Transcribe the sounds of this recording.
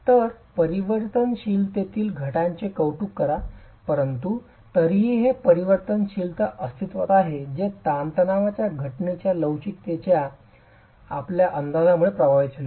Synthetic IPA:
t̪əɾpəɾiʋəɾt̪ənɕilt̪et̪iːlɡʱəʈãɲt͡ɕekəwʈuːkːəɾa | pəɾənt̪u | t̪əɾiiɦepəɾiʋəɾt̪ənɕiːlt̪əʔəst̪ʰit̪ʋət̪aɦed͡ʑet̪ant̪ənaʋat͡ɕjaɡʱəʈɳet͡ɕjaləʋt͡ɕiːkt̪et͡ɕja | apljaʔənd̪ad͡zamuɭepɾəʋajit͡sle

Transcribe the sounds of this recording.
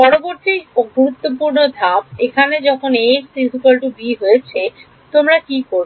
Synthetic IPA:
pɔɾoboɾt̪iɡuɾut̪ːopuɾnod̪ʱapekʰaned͡ʑɔkʰoneʃsisukalʈubiɦojet͡ɕʰe | t̪omɾakikoɾbo

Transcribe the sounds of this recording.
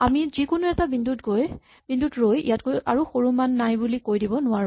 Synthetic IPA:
amizikʊnuɛtabindutɡoj | b̥indʱutɹojḭjatkoja̰ɹuxoɹumanːajbulikojdibɔnʊwaɹʊ̃

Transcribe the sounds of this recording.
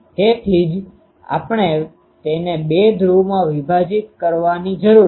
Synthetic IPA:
t̪et̪ʰid͡ʒ | a̰pɳ̃e | t̪enebed̪ʱɾumãʋibʱad͡ʒit̪̚kəɾʋanid͡ʒəɾu

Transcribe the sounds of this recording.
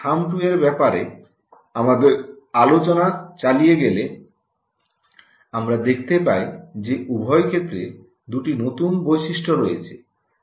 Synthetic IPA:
amʈueɾbɛpaɾe | amad̪eɾ | alot͡ɕonat͡ɕalijeɡele | amɾad̪ekʰt̪epajd͡ʑeʔubʱɔjkʰet̪ːɾe | d̪uʈinot̪unbojʃiʃʈoɾojḛt͡ɕʰe

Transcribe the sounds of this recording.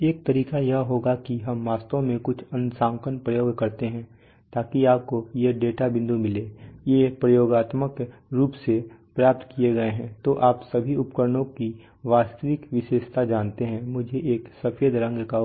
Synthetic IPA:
eːk̚t̪ɐɾiːkajɐɦɦoːɡakiɦɐmːaːst̪õmẽkʊt͡ʃʰɐ̃nsãːŋkənpɾəjoːɡkɐɾt̪eɦɛ̃ | t̪aːkiaːp̚kojeɖeːʈabɪ̃nd̪ʱumɪleːjepɾɐjoːɡaːt̪məkɾuːpsepɾaːp̚t̪kieɡɐeɦɛ̃t̪oːʔaːpsɐbʱiʊpkəɾnõki | ʋaːst̪əʋɪkʋɪʃeːʃt̪ʰad͡ʒaːnt̪eɦɛ̃mʊd͡ʒʱeʔeːksɐfjed̪ɾə̃ŋɡka

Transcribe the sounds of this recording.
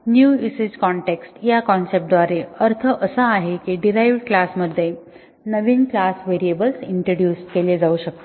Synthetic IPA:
njuːised͡ʑkɔɳʈeksʈjakɔnsep̚ʈ̚d̪ʋaɾeəɾt̪ʰəʔəsəːɦekiɖiɾajʋɽklasməd̪ʱːje | nəʋiːnklasʋeɾiebəlsiɳʈɾoɽɖjuːsʈkeled͡zauɕək̚t̪e

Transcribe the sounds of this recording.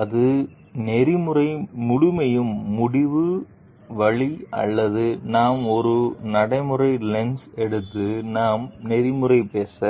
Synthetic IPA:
ɐðɯ | nɛɾɪmɯɾɐɪmʊɽʊmɐjɯmːʊɽɪʋɯ | ʋɐɭiɐ̰lːɐðɯnaːmɔɾɯnɐɽɐɪmɯɾɐɪlɛnsɛɽɯt̪ːɯnaːmnɛɾɪmɯɾɐɪpeːsɐ

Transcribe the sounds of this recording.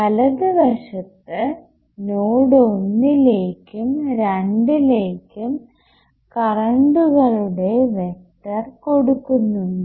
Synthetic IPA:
kɐlɐðɨʋɐʂɐt̪ːɨ | noːɽonːile̞ːkːumɾɐɳɖile̞ːkːum | kɐrɐɳɖuɣɐɭuɽe̞ʋe̞k̚ʈɐrko̞ɽukːunːuɳɖɨ

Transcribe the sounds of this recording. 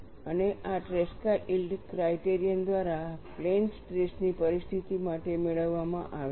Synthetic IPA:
əneʔaʈɾeskaɾilɖkɾaiʈeɾijənd̪ʋaɾaplensʈɾesnipəɾist̪ʰit̪imaʈemeɭəʋːamã̰ʔaʋe

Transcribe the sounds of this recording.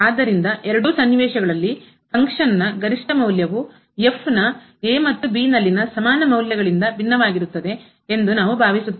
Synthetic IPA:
aːd̪ːɐɾind̪ɐʔɛɾɐɽusɐnːiʋɛːʂɐɡɐɭɐlːi | kɐŋkʂɐnɐːɐɡɐɾiʂʈɐmɐwljɐʋu | je̞fʰnɐ | eːmɐt̪ːubiːnɐlːinɐsɐmaːnɐmɐwljɐɡɐɭind̪ɐbʱinːɐʋaːɡiɾut̪ːɐd̪e̞ | end̪unaːʋubʱaːʋisut̪ː

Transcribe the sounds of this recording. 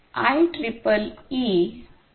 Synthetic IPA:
a̰jʈɾipəli

